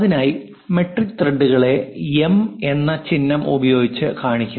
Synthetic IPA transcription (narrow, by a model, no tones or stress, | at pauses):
ɐðinaːji | me̞ʈrikːɨt̪reɖːuɣɐɭe̞eme̞nːɐt͡ɕinːɐmubɐjo̞ːɡit͡ɕːɨkaːɳikʲːu